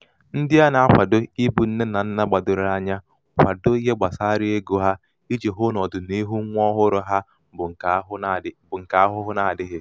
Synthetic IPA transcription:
n̩˦dɪ˦a˦na˨a˦kʷa˨dʊ˦i˦bu˨n̩˦ne˦na˨n̩˦na˦ɡ͡ba˨dʊ˨ɾʊ˨a˦ɲa˦ | kʷa˨do˦i˦ɦe˦ɡ͡ba˨sa˦ɾɪ˦e˦ɡo˦ɦa˦ | i˦d͡ʒe˨ɦʊ˦nɔ˨dʊ˨ni˦ɦu˦ŋʷ˦ɔ˦ɦʊ˦ɾʊ˦ɦa˦˨˦ | bʊ˨ŋ̩˨ka˨a˦ɦʊ˦ɦʊ˦na˨dɪ˦ɦɪ˦

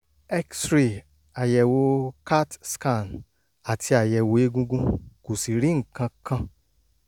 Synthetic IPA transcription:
ɛ˦ksɾi˨ | a˨jɛ˨wo˧ka˦tska˦˨n | a˨tʰi˧a˨jɛ˨wo˨˦e˦ɡũ˦ɡũ˦ko˨si˨ɾĩ˨˦ŋ̩˨kã˧kã˧

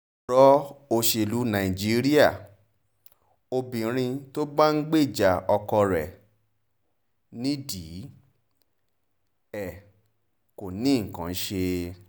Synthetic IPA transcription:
ɾɔ˦o˧ʃe˧˨lu˨˦nã˨ĩ˨d͡ʒi˦ɾi˦a˦˨ | o˧bĩ˨˦ɾ̃ĩ˧to˦ba˦n̩˦ɡ͡be˦˨d͡ʒa˨ɔ˧kɔ˧ɾɛ˨ | nĩ˦di˨˦ | ɛ˨ | ko˨nĩ˨˦ŋ̩˨kã˨˦ʃe˧

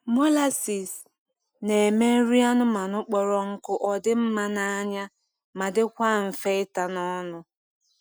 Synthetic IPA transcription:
mo˦la˦si˨s | ne˨me˦ɾi˦a˦nʊ˦ma˨nʊ˦k͡pɔ˨ɾɔ˦ŋ̩˦kʊ˦ʔɔ˨dɪ˦m̩˦ma˦na˦a˦ɲa˦ | ma˨dɪ˦kʷa˦˨m̩˨fe˦ɪ˦ta˨nɔ˦nʊ˦

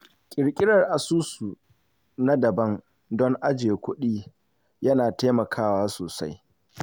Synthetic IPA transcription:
kʲʼɪ˨ɾkʲʼɪ˦ɾɐ˨rʔa˨suː˦su˨ | na˦dɐ˨bɐ˦ŋ | dɔ˦ŋʔa˦d͡ʒeː˨kʷʊ˦ɗiː˦ | jɐ˦naː˨teː˦mɐ˨kʰaː˦waː˦soː˨sa˦j

